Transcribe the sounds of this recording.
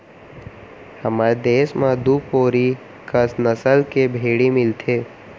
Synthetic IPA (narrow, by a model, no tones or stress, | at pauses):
həmaːɾd̪eːʃmãd̪upoːɾi | kəsnəsəlkebʱeːɽimɪlt̪ʰeː